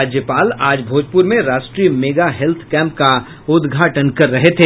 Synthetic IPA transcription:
aːd͡ʒjəpaːlaːd͡ʒbʱoːd͡ʒpʊɾmẽɾaːʃʈɾiːmeːɡaɦɛlt̪ʰkɛ̃ːmpka | ʊd̪ɡʱaːʈənkɐɾːɐɦet̪ʰeː

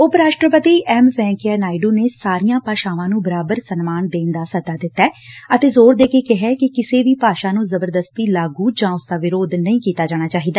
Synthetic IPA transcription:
ʊpɾaːʃʈɾəpət̪iːɛːmʋɛ̃ːŋkɛːnaːɪɖuːneːsaːɾijãːpaːʃaːʋãːnũːbəɾaːbəɾsənmaːnd̪eːnd̪aːsəd̪aːd̪ɪt̪ːɛːət̪eːzoːɾd̪eːkeːkɪɦɛːkɪkɪseːʋiːpaːʃaːnũːzəbəɾd̪əst̪iːlaːɡuːd͡ʒãːʊsd̪aːʋɪɾoːd̪nəĩːkiːt̪aːd͡ʒaːɽ̃aːt͡ʃaːɦiːd̪aː

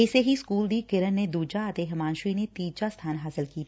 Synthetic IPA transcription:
ɪseɦiskuːld̪iːkɪɾənːed̪uːd͡ʒaət̪eɦɐmaːnʃɾinet̪iːd͡ʒast̪ʰaːnɦaːsɪlkiːt̪ʰː

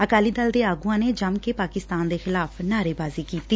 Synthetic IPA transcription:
əkaːliːd̪əld̪eːaːɡuãːneːd͡ʒəmkeːpaːkɪst̪aːnd̪eːxɪlaːpnaːɾeːbaːziːkiːt̪iː

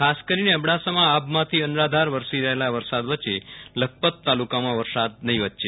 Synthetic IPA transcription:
kʰaskəɾineəbɽasamãabmãt̪ʰiənɾad̪ʱaɾʋəɾsiɾəɦelaʋəɾsad̪ʋət͡ʃelək̚pət̪ːalukamãʋəɾsad̪̚nəɦĩʋət̪ːt͡ʃe

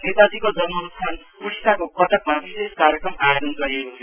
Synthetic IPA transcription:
net̪ad̪ʱikod͡zʌnmʌɾut̪sʰan | pussakokʌt̪ʌk̚mabiseskaɾjekɾʌmaenʌnɡʌɾiekot͡sʰ

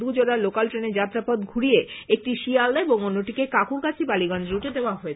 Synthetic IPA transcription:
ud͡ʑoɾaɾlokalʈɾeneɾd͡ʑat̪ːɾapɔd̪ɡʱuɽieek̚ʈiʃialːaeboŋonːoʈikekakʰuɾkat͡ɕʰibaliɡɔnd͡ʑeuʈʰed̪eoaɦoe

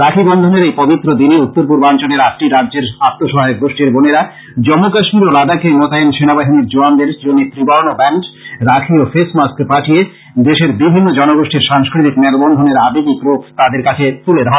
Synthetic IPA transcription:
ɾakʰibɔnd̪ʱoneɾejpɔbit̪ːɾod̪iniut̪ːoɾp̬uɾbant͡ɕoneɾakʈiɾadːd͡ʑeɾat̪ːoʃɔɦaeek̚ɡoʃʈiɾboneɾa | d͡ʑɔmːokaʃmiɾolad̪akemɔt̪aenʃenabaɦiniɾd͡ʑoand̪eɾʃd͡ʑonːit̪ɾibaɾonobɛɳʈɾakʰiofesmaskpaʈʰie | d̪eʃeɾbibʱinːod͡ʑɔnoɡoʃʈiɾʃaŋskɾit̪ikmelbɔnd̪ʱoneɾabeɡikɾopʰt̪ad̪eɾkat͡ɕʰet̪uled̪aɦo

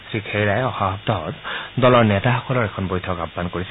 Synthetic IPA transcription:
sɹikʰejɹajɔxabʱɔbtɔɦɔ̰tdɔlɔɹnɛtaxɔkɔlɔɹɛkʰɔnbojtʰɔkabːankoɹis

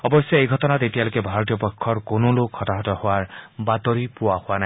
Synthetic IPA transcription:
ɔbɔsjɔejɡʱɔtɔnatetijalojkɛbʱaɹɔt̬ijɔpɔkʰːɔɹkonolokkhɔtaɦɔtɔhʊwaɹbatɔɹipʊwahʊwana

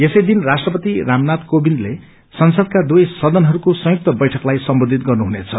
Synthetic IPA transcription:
esʌjd̪inrasʈrʌpʌt̪iramnat̪kobinle | sʌnsʌd̪̚kad̪ujsʌd̪ʌnɦʌɾukosʌ̃juk̚t̪ʌbʌjʈʰʌklajsʌmbod̪ʱit̪̚ɡʌrnuɦunet͡sʰʌ

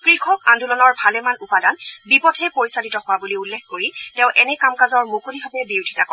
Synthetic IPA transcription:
kɹikʰɔkãndulɔnɔɹbʱalɛmanupadanbipɔtʰɛpoɹisalitɔhʊwabuliulːekʰːkoɹitɛ̃ʊ̃ʔɛnɛkamkazɔɹmokuliɦɔbɛbiwdʱitakɔ

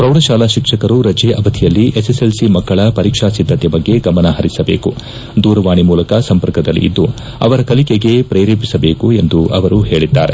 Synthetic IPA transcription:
pɾɐwɽɐʃaːlaʃikʂɐkɐɾuɾɐd͡ʒeːʔɐʋɐd̪ʰʱijɐlːiʔeseselsimɐɡːɐɭɐpɐɾiːkʂasid̪ʱːɐt̪jɐbɐɡːe̞ɡɐmɐnɐɦɐɾisɐbe̞ːku | d̪uːɾɐʋaːɳimuːlɐkɐsɐmpɐɾkɐd̪ɐlːḭʔḭd̪ːu | ɐ̰ʋɐɾɐkɐlikeɡe̞pɾeːɾeːpisɐbe̞ːkue̞nd̪uɐ̰ʋɐɾuɦe̞ːɭid̪ːaːɾe̞

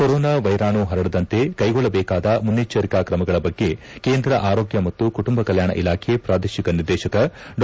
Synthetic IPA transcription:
koɾoːnaʋɐjɾaːɳuɦɐɾɐɽɐd̪ɐnt̪e̞kɐjɡɔɭːɐbɛːkaːd̪ɐmunːit͡ʃɐɾikaːkɾɐmɐɡɐɭɐbɐɡːe̞ | keːnd̪ɾɐʔaːɾo̞ːɡjɐmɐt̪ːukuʈumbɐkɐljaːɳɐ̰ʔilaːkʰepɾaːd̪eːʃikɐniɾd̪ɛːʃɐkɐɖ

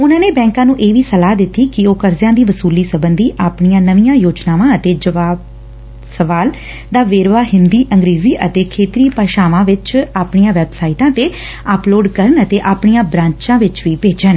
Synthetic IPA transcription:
ʊnãːneːbɛ̃ːŋkãːnũːʔeːʋiːsəlaːd̪ɪt̪ːiːkɪoːkəɾzjãːd̪iːʋəsuːliːsəbənd̪iːʔaːpɳijãːnəʋijãːjoːd͡ʒnaːʋãːət̪eːd͡ʒəʋaːb | səʋaːl | d̪aːʋeːɾʋaːɦɪnd̪iːʔəŋɡɾeːziːʔət̪eːkʰeːt̪ɾiːpaːʃaːʋãːʋɪt͡ʃaːpɳijãːʋɛːbsaːiʈãːt̪eː | əploːɖkəɾənət̪eːʔaːpɳijãːbɾãːɲt͡ʃãːʋɪt͡ʃʋiːpeːt͡ʃən

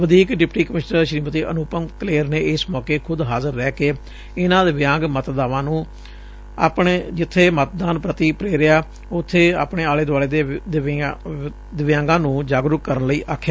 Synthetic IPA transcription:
ʋəd̪iːkɖɪpʈiːkəmɪʃnəɾʃɾiːmət̪iːʔənʊːpəŋkleːɾneːɪsmɔːkeːkʰʊd̪ɦaːzəɾːɛːkeː | ɪnãːd̪ɪʋɪjãːŋɡmət̪d̪aːʋãːnũː | a̰ːpɳd͡ʒɪt̪ʰːeːmət̪d̪aːnpɾət̪iːpɾeːɾɪjaː | ʊt̪ʰːeːa̰ːpneːaːleːd̪ʊwaːleːd̪d̪ | d̪ɪʋɪjãːŋɡãːnũːd͡ʒaːɡɾʊkkːəɾənləiːʔaːkʰːjaː

